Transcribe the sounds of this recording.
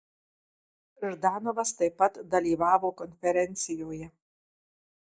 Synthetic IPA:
ʒd̪ɑːnoʋɐst̪ɐɪpːɐt̪d̪ɐlʲiːʋɑːʋoːkɔnʲfʲɛɾʲɛnʲt̪sʲɪjoːjɛ

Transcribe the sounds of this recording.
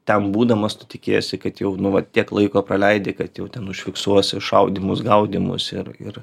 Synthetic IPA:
t̪ʲɛmbuːd̪ɐmɐst̪ʊ̥tʲɪkʲeːjosʲɪkɐt̪jɛʊnʊʋɐt̪ʲiɛklˠɐɪkoːprɐlʲɛɪd̪ʲekɐt̪jɛʊt̪ʲɛnʊʃʲfʲɪksuɔsʲɪʃɐʊd̪ʲiːmʊsɡɐʊd̪ʲimʊ̰sɪɾɪ̰r

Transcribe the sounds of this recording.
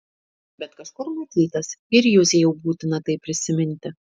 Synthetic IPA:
bʲɛt̪kɐʃkʊɾmɐt̪ʲiːt̪ɐsɪɾjuːzʲejɛʊbuːt̪ʲɪnɐt̪ɐɪpʲːɾʲɪsʲɪmʲɪnʲt̪ʲɪ

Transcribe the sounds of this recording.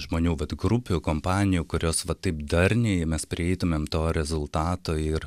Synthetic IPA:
ʒmoːnʲuːʋɐt̪ɡɾʊpʲukoːmpɑːnʲɪjuːkʊɾʲoːsʋɐt̪ɐɪpd̪ɐrʲnʲɛmʲɛspʲɾʲɪɛɪt̪ʊmʲemt̪oːɾʲɛzʊlˠt̪ɑːt̪oːɪr

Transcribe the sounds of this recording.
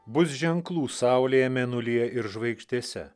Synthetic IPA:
bʊs̬ʒʲɛŋklˠuːsɑˑʊlʲeːjɛmʲɛnʊlʲiɛʔɪɾʒʋɐɪkʃʲt̪ʲiɛsʲɛ̰

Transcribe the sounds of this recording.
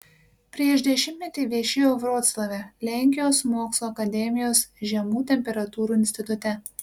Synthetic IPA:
pʲɾʲiɛʃd̪ʲɛʃʲɪmʲt̪ʲnʲɛt̪ʲiːʋʲiɛʃʲejoːʋɾoːt̪slˠɐʋʲɛlʲæˑŋʲkʲɪjoːsmoːkslˠoːɐkɐd̪ʲɛmʲɪjoːsʒʲɛmuːt̪ʲɛmʲpʲɛɾɐt̪uːɾuɪnʲsʲt̪ʲɪt̪ʊt̪ʲɛ

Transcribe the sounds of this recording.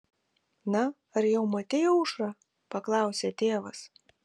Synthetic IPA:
nɐ | ɐɾjɛʊmɐt̪ʲejoʊʃɾɐ | pɐklˠɑˑʊsʲet̪ʲeːʋɐs

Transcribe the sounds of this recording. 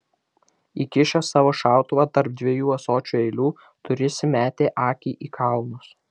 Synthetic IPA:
iːkʲɪʃʲosɑːʋoːʃɑˑʊt̪ʊʋɑt̪ɐɾp̚d̪ʲʋʲeɛjuːɐsoːt͡ʃʲuːɛɪlʲuː | t̪ʊɾʲɪsʲɪmʲæːt̪ʲeːʔɑːkʲiːʔiːkʰɑlˠnʊs

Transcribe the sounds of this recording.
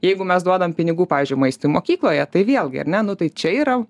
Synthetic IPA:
jɛɪɡʊmʲɛsd̪uɔd̪ɐmpʲɪnʲɪɡuːpɑːʋʲiːzʲd͡ʒʲʊɪmɐɪst̪oːjmoːkʲiːklˠoːjɛt̪ɐɪʋʲeɛlˠɡʲɪ̰ɐ̰rnʲɛnʊt̪ɐɪt͡ʃʲɛiːɾɐ

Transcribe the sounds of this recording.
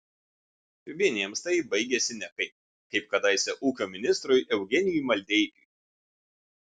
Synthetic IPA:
ʋʲiɛnʲiɛmst̪ɐɪbɐɪɡʲɛsʲɪnʲɛkɐɪ | kɐɪp̚kɐd̪ɐɪsʲɛʔuːkʲoːmʲɪnʲɪst̪ɾʊjʔɛʊɡʲɛnʲɪjuˑmɐlʲd̪ʲɛɪt̪ʲuj

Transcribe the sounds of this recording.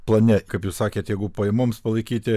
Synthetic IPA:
plˠɐnʲɛkɐɪpjuːssɑːkʲeːt̪jɛɪɡʊpoːjɛmoːmspɐlˠɐɪkʲiːt̪ʲɪ

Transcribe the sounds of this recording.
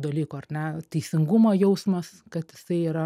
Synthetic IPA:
d̪ɐlʲiːkoːɐrnʲɛt̪ɛɪsʲɪŋɡumoːjɛʊsmɐs | kɐt̪jɪsɐɪiːɾɐ

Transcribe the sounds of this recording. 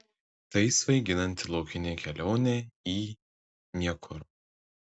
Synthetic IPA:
t̪ɐɪsʋɐɪɡʲɪnɐnʲt̪ʲɪlˠɒʊkʲɪnʲeːkʲɛlʲoːnʲeːiː | nʲiɛkʰʊɾ

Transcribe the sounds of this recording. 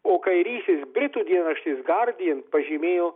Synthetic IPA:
oːkɐɪɾʲiːst̪ʲɪːsbʲɾʲɪt̪uːd̪ʲiɛnɐʃt̪ʲɪsɡɐɾʲd̪ʲɪjɛnt̪̚pɐʒʲiːmʲeːjoː

